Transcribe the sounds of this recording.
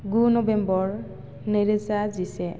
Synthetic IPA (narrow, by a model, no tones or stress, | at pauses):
ɡunɔbɛmbɔɹ | neɹezazisɛ